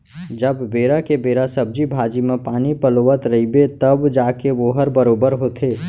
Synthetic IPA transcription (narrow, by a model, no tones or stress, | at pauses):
d͡ʒəbːeːɾakebeɾasəb̚d͡ʒibʱaːd͡ʒimẽpaːnipəloʋət̪ɾəibet̪əbd͡ʒakeʋoɦəɾbəɾobəɾɦot̪ʰe